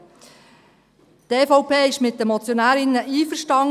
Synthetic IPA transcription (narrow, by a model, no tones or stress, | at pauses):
teːfɔʊpeːɪʃmɪt̚d̥əmɔt͡sjonæːɾɪnːəʔiːfəɾʃtɑŋ